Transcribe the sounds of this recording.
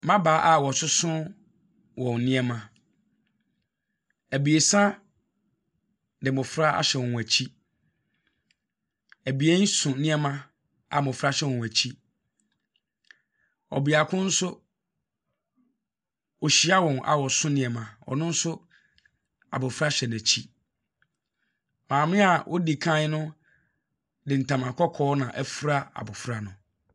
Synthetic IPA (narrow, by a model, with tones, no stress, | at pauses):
mã˦baː˨˦ʔa˨wɔ˨sʊ˦sʊ̃˦ | wɔ̃˨nɪ̃˦ɛ˦mã˨ | æ˨bi˨e˨sã˦ | dɪ˨mʊ̃˨fɾa˦a̰˦ɕɛ˨wɔ̃˨n˨æ˨t͡ɕʰi˦ | æ˨bi˨e˦n̩˦sʊ̃˨nɪ̃˦ɛ˦mã˦ | a˨mʊ̃˨fɾa˦ɕɛ˦wɔ̃˨n˨æ˨t͡ɕʰi˦ | ɔ̰˨bi˨a˨kʰʊ̃˦n̩˦sʊ˦ | ɔ˨ɕi˨˦a˦wɔ̃˨na̰˨wɔ˨sʊ̃˦nɪ̃˨ɛ˨mã˨ɔ̰˨nʊ̃˦n̩˦sʊ˦ | a̰˨bʊ˨fɾa˦ɕɛ˨næ˨t͡ɕʰi˦ | mãː˨m˦ɪ̃˦a˨wʔɔ˦di˨kʰã˦ɲ˦nʊ̃˦ | dɪ˨n̩˨tʰã˨mã˨kʰɔ˦kʰɔː˦nã˨ʔɛ˦fɾa˦a̰˨bʊ˨fɾa˨nʊ̃˨